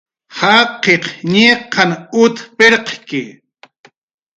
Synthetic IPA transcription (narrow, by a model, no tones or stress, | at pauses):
hɑqeqɲeqʰɑnʊt̪peɾqkɪ